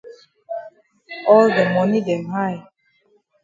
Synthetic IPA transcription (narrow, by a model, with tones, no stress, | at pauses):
ɔ˦lde˨mɔ˨ni˦dɛ˨nɦa˦ɪ